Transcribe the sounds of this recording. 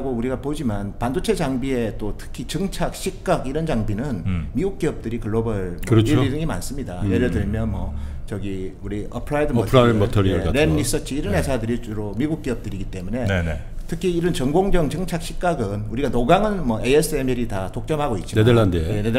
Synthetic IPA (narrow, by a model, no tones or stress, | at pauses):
aɡouɾiɡapod͡ʑimanpandot͡ɕʰe̞d͡ʑaŋbie̞t͈otʰɯ̥kʰit͡ɕɯŋt͡ɕʰak̚ɕ͈ʰik̚k͈aɡiɾʌnd͡ʑaŋbinɯnmiɡuk̚k͈eʌp̚t͈ɯɾikɯɭːobɯɭɯɾʌt͡ɕiiɾɯŋima̰ns͈ɯmɲidajed͡ʑʌdɯɭmjʌnmwʌt͡ɕʌɡiuɾiʌpʰɾaidɯʌpʰɾamʌtʰoɾiɯɭaɾenːis͈ʌt̚t͡ɕ͈ʰiːɾʌnɦe̞sʰadɯɾit͡ɕuɾomiɡuk̚k͈eʌp̚t͈ɯɾiɡit͈e̞mune̞ | tʰɯkʰiːɾɯnt͡ɕʌŋɡoŋd͡ʑʌŋt͡ɕɯŋt͡ɕʰak̚ɕ͈ʰik̚k͈aɡɯnuɾiɡanoɡaŋɯnmʌʔees͈ʰɯemeɾitatok̚t͡ɕ͈ʌmɦaɡoit̚t͡ɕ͈imeadeɭandejened